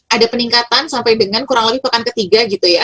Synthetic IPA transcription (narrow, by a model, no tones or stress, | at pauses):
ʔadapəniŋkat̪ansampajdəŋankuɾaŋləbɪhpəkankət̪iɡaɡit̪uja